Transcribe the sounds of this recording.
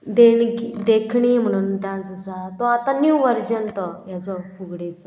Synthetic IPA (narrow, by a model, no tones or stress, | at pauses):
d̪eɳkid̪ekʰɳim̤əɽ̃uːnʈãsəsat̪ɔat̪anuwʋəɾd͡ʑənt̪ɔjat͡sɔfʰuɡɽet͡sɔ